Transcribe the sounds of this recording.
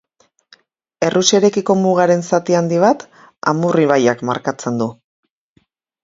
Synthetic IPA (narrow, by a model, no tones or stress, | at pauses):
e̞rʔuse̞ɾe̞kiko̞muɣ̞aɾe̞nsat̪iand̪iβ̞at̪ | a̰muriβajakma̰ɾkat͡se̞nd̪u